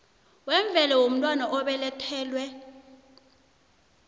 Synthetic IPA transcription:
wɛɱb̪vʱɛlawom̩tʼwanaʔɔɓɛlɛtʰɛːlwɛ

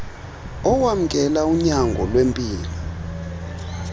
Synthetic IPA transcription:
ɔwam̩kʼɛlauɲaŋɡʱɔlwempʼiːlɔ

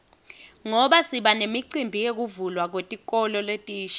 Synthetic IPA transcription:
ŋɔɓasiɓanemiǀimbʱijek̬uvulwak̬wetʼik̬ʼɔlɔletʼiːʃ

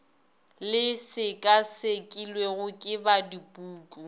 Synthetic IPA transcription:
lɪsɪkʼasekʼilweɣʊkʼɪbadipʼuːt͡ɬʼu

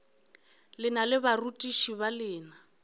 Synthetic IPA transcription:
lɪnalɪbarutʼiʃiβalɪːna

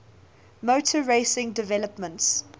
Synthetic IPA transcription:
moʊtʰəɹeɪsɪ̃ŋdɪvɛləpmə̃nts

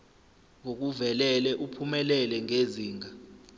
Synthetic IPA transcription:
ŋok̬uvɛlɛlɛʔupʰumɛlɛlɛŋeziːŋa

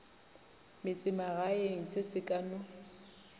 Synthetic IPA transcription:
mɪt͡sʼɪmaɣaeŋ̩sɪsɪkʼanʊ

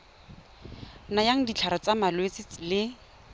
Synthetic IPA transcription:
najaŋ̩dit͡ɬʰaɾat͡samalwet͡sɪlɪ

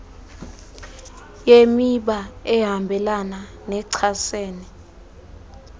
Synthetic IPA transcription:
jemiɓaɛɦambʱɛlana | nɛǀʰaseːnɛ

